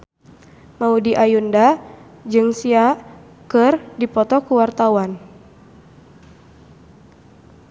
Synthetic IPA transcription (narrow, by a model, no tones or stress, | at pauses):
maudiʔajunda | d͡ʒɨŋsia | kɨrdipɔt̪ɔkuwart̪awan